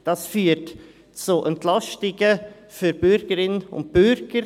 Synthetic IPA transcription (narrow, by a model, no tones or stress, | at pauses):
d̥ɑsfyːət | t͡suʔɛntlɑstɪɡə | fyɾbʏɾɡəɾɪnəʊ̰nt̚b̥ʏɾɡ̥əɾ